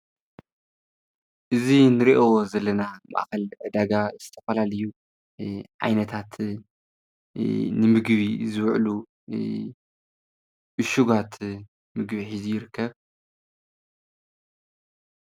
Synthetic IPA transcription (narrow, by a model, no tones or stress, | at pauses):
ʔɨzinɨɾiʔozɐlːɐnama̰ʔxɐlʕɨd̪aɡaz̥ɨt̪ʰɐfɐlalɐju | ʕa̰jnɐt̪ʰat̪ | nɨmɨɡβizɨwʕlu | ʔɨʃuɡat̪ | mɨɡbiħizijɪɾɨkʰːɐβ